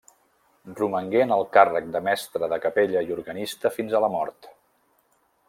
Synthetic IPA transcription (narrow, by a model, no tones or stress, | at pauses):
ruməŋɡeənəlˠkarək̚d̪əmɛst̪ɾəðəkəpeʎəiuɾɣənist̪əfinzələmɔɾt̪